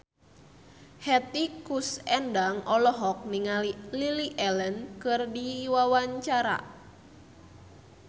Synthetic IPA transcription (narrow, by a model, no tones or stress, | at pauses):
hɛt̪ikusɛndaŋɔlɔɦɔk̚niŋalililiʔɛlənkɨrdiwawaɲt͡ʃaɾa̰